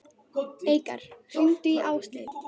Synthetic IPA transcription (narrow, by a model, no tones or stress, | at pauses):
ejka̰ɾ̥sʏnt̪ʏiʔaːwst̪ɪð